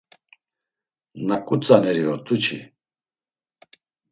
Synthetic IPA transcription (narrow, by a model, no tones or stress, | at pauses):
nakʼut͡sʼanɛɾiɔɾt̪ʼut͡ʃʰḭ